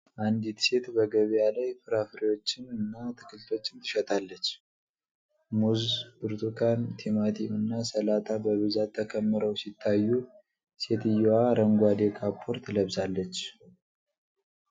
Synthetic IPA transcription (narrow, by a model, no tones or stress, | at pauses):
ʔand̪it̪se̞t̪bəɡəβjalajfɨɾafɾiwo̞t͡ʃːɪnɨnːat̪ʰɨ̥kʰɨlt̪ʰo̞t͡ʃːɪnt̪ʰɨʃət̪ʰʼalːət͡ʃː | muzbɨɾt̪ʰukʰant̪ʰemat̪ʰiʔɨnːasəlat̪ʰabəβɨzat̪ʰːəkʰəmːɨɾəwsit̪ʰːajːu | se̞t̪ɨjɛwaɾəŋɡʷad̪ekʰʼapʰoɾt̪ʰɨləβsalːət͡ʃː